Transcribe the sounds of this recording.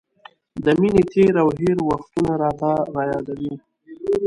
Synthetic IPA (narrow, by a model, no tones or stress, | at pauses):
d̪əminet̪eɾawɦeɾwaxt̪unaɾɑːt̪aɾɑjɑd̪awi